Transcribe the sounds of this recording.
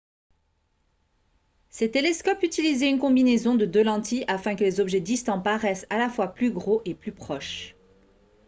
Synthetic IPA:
sɛt̪eleskɔpyt̪ilizeynkɔ̃binezɔ̃d̪əd̪ølɑ̃t̪iʔafɛ̃kəlezɔbʒɛd̪ist̪ɑ̃paʁɛsalafwaplyɡʁoʔeplypχɔʃ

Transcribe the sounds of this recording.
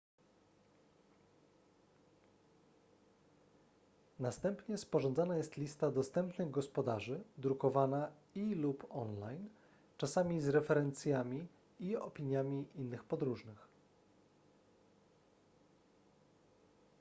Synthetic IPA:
nast̪ɛmpɲɛspɔʐɔnd̪zanajɛst̪lʲist̪ad̪ɔst̪ɛmpnɘɣɡɔspɔd̪aʐɘd̪ɾukɔvana | ilupɔnlajn | t͡ʂasamʲizɾɛfɛɾɛnt̪sʲjamʲi | iɔ̰pʲiɲjamʲiʔinːɘxpɔd̪ɾuʐnɘx

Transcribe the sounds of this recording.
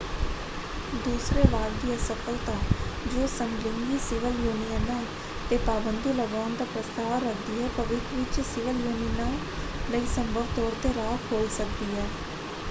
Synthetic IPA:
d̪uːsɾeːbaːɾd̪iːəsəkʰəlt̪ãːd͡ʒoːsəmɡlɪŋɡiːsɪʋəljuːnijənãː | t̪eːpaːbənd̪iːləɡaːnd̪aːpɾəst̪aːʋɾək̚ʰd̪iːɛːpəʋɪt̪ɾʋɪt̪sɪʋəljuːninãː | ləiːsə̃mbʱəʋt̪ɔːɾt̪eːɾaːkɦoːisək̚d̪iːɛː

